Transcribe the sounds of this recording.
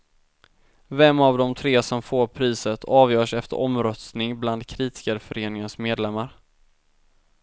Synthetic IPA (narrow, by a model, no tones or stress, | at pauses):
vɛmːavd̪ɔmt̪ʰɾeːsɔmfoːɾpʰɾiːsət̪ʰɑːvjœːʂɛft̪ə̰ɾʔɔmɾœst̪nɪŋbland̪kʰɾiːt̪ɪ̥skaɾfœɾeːnɪŋənsmeːd̪lɛmːaɾ